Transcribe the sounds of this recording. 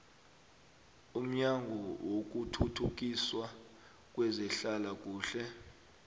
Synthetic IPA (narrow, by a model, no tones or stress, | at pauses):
um̩ɲaŋɡʱɔwok̬utʰutʰuk̬iswa | k̬ʼwɛzɛɬalak̬ʼuːɬɛ